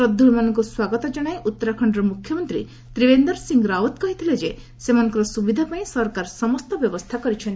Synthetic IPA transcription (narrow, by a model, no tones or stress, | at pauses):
ɔd̪ʱːuɽimanɔŋkuswaɡɔt̪ɔd͡ʒɔɽ̃ajʔut̪ːɔɾakʰɔɳɖɔɾɔmukʰjɔmɔnt̪ɾḭ | t̪ɾibend̪ɔɾsiŋɡɾawɔt̪kɔɦit̪ʰiled͡ʒe | semanɔ̃ŋkɔɾɔsubid̪ʱapaĩsɔɾkaɾsɔmɔst̪ɔbjɔbɔst̪ʰakɔɾit͡ʃʰɔn